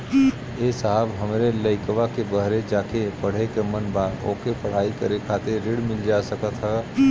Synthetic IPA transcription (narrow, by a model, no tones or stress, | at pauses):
esaɦəbɦəmɾeləɪkʋakebəɦɾed͡ʒakepəɽ̤ekemənbad̪o̰kepəɽ̤aikəɾekʰat̪eɾːeɽmɪld͡ʒasəkət̪ɦə